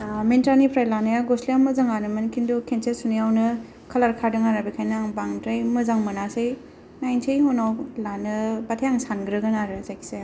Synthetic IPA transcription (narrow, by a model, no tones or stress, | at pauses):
mentanipʰɾajlanajaɡɔslijawmɯzaŋanɯmɯnkʰindukʰensʰesunijawnɯ | kʰalaɾkʰaɾdɯŋaɾabikʰajnaŋbaŋtɾajmɯzaŋmɯnasej | najntʰejɦunawlanɯbatʰejaŋsanɡɾɯɡɯnaɾɯzajkʰi̥se